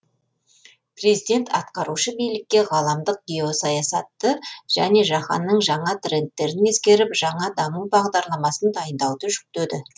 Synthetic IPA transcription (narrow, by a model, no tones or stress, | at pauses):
pre̞zid̪e̞nt̪ɑt̪qɑɾuʃəbijlɪk̚ʲːe̞ʁɑlˠɑmd̪əq̚ɡʲio̞sɑjɑsɑt̪ːəʒ̥æ̰ne̞ʒɑχɑ̰nːəɴʒɑɴɑt̪re̞nt̪ːe̞ɾɪne̞skʲe̞ɾɪpʒ̥ɑɴɑd̪ɑmuwbɑʁd̪ɑɾlˠɑmɑsənd̪ɑjənd̪ɑwd̪əʒʏk̚t̪ød̪ɪ